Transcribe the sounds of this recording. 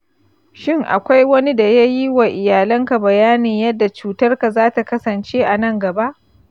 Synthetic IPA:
ʃɪ˦˨ŋʔa̰˨kʷa˦jwɐ˦ni˦da˨ja˦ji˦wa˨ʔɪ˨jaː˨lɐ˦ŋka˨bɐ˨jaː˦niː˨jɐ˦dːa˨t͡ʃuː˨tɐ˦rka˨zaː˦ta˨kɐ˦sɐ˨nt͡ʃe˦ʔa˨nɐ˦ŋɡɐ˨ba˦ʔ

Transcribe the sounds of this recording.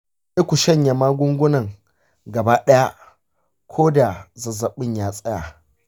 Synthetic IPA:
ʔɪ˦kʷu˨ʃɐ˦ɲja˨maː˦ɡʷʊ˦ŋɡʷʊ˦nɐ˨ŋ | ɡɐ˨baː˦ɗɐ˦ja˦ | kʷʰoː˦da˨zɐ˨zɐ˨ɓɪ˦˨ɲjaː˦sʼɐ˦ja˨

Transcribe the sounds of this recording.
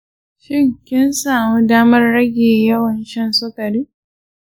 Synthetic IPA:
ʃɪ˦˨ŋkʲɪ˦nsaː˨mu˦daː˦mɐ˦rːɐ˦ɡʲeː˨jɐ˦wɐ˨nʃɐ˦nsʊ˦kɐ˨ɾiː˦

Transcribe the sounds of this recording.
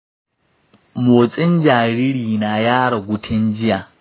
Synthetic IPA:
moː˨t͡sʼɪ˦nd͡ʒaː˨ɾiː˦ɾiː˨na˨jaː˦ɽɔ˨ɡʷʊ˦tʰɪ˦nd͡ʒɪ˦jaː˨

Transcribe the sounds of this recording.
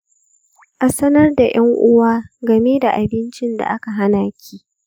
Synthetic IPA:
ʔa˨sɐ˦nɐ˦rda˨j̰ɐ˦ŋʔʊ˦waː˦ɡɐ˨meː˦da˨ʔa˨bɪ˦nt͡ʃɪ˦nda̰˨ʔa˦ka˨ɦa˦naː˨kʲʰiː˦

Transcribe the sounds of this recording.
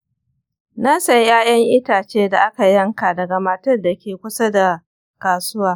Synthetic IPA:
na˦sɐ˨jjaː˦jɐ˦ŋʔɪ˦taː˨t͡ʃeː˦da˨ʔa˦ka˨jɐ˦ŋkaː˨dɐ˨ɡa˨ma˨tɐ˦rda˨kʲeː˨kʷʊ˦sa˦da˨ | kaː˨sʊ˦waː˨

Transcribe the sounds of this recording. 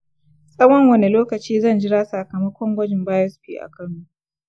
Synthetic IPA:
sʼɐ˦wɐ˦ŋwɐ˦ni˨loː˦kɐ˨t͡ʃiː˦zɐ˦˨nd͡ʒɪ˦ɾaː˦sa˨kɐ˨mɐ˦kʷɔ˦ŋɡʷɐ˦d͡ʒɪ˨mbaː˦jɔ˦sɸḭː˦ʔa̰˨kɐ˦˨nːu˦ʔ

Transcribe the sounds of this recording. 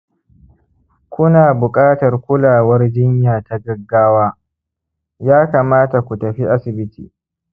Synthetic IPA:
kʷʊ˦naː˨bʊ˨kʼaː˦tɐ˨rkʷʊ˦laː˨wɐ˦rd͡ʒɪ˦ɲjaː˨ta˦ɡɐ˦ɡːaː˦waː˦ | jaː˦kaː˨maː˦ta˨kʷu˨tɐ˨ɸi˦ʔa˦sɪ˨bɪ˦tʰiː˨

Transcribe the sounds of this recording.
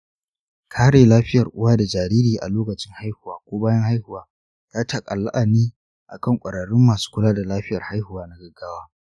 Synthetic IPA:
kʰaː˦ɽeː˨laː˦ɸɪ˦jɐ˨rʔʊ˦waː˦da˨d͡ʒaː˨ɾiː˦ɾiː˨ʔa̰˨loː˦kɐ˨t͡ʃɪ˦ŋha˦jhʊ˨waː˨kʷoː˦baː˦jɐ˦ŋha˦jhʊ˨waː˨˦ | zaː˦tʰa˨kʼɐ̰˨lːa̰˦ʔa˨niː˦ | ʔa˨kɐ˦˨ŋkʷʼɐ˨ɽɐ˨ɽʊ˦mːaː˨su̥˦kʷʊ˦laː˦da˨laː˦ɸɪ˦jɐ˨rha˦jhʊ˨waː˦na˦ɡɐ˨ɡaː˦waː˦

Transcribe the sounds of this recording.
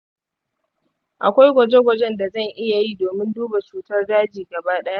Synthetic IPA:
ʔa˨kʷa˦jɡʷɐ˨d͡ʒe˦ɡʷɐ˨d͡ʒɛ˦nda˨zɐ˦˨ŋʔɪ˦ja˨ji˦doː˨mɪ˦nduː˦ba˨t͡ʃuː˨tɐ˦rdaː˦d͡ʒiː˨ɡɐ˨baː˦ɗɐ˦ja˦ʔ

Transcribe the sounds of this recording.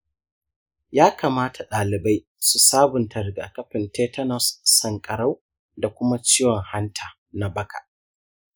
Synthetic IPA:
jaː˦kaː˨maː˦tʰa˨ɗaː˨lɪ˨ba˦j | su˨saː˦bʊ˨ntʰɐ˨ɾɡa̰ː˨kɐ˦ɸɪ˨nteː˦tʰɐ˦nɔ˨sːɐ˨ŋkʼɐ˨ɽa˦w | da˨kʷʊ˦ma˦t͡ʃiː˦jɔ˨ŋha˦ntʰaː˨ | na˨bɐ˦kʰa̰˨ʔ

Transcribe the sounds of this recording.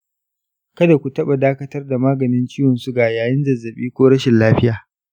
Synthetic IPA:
kɐ˦da˨kʷu˨tɐ˦ɓa˨daː˦kɐ˦tɐ˦rda˨maː˦ɡɐ˨nɪ˦nt͡ʃɪː˦wɔ˨nsu˦ɡaː˨jaː˨jɪ˦nzɐ˨zːɐ˨ɓiː˦kʷoː˦ɽɐ˦ʃɪ˨nlaː˦ɸɪ˦jaː˨

